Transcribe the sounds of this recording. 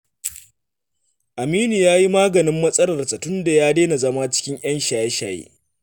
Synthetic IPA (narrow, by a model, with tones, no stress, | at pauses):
ʔa˨miː˦niː˨jaː˦ji˦maː˦ɡɐ˨nɪ˦mːɐ˦sʼɐ˦lɐ˨rsa˨tʊ˦nda˨jaː˦deː˦na˨zɐ˦ma˦t͡ʃɪ̥˦kʲɪ˦ɲʔj̰ɐ˦nʃaː˨jɛ˦ʃaː˨jḛ˦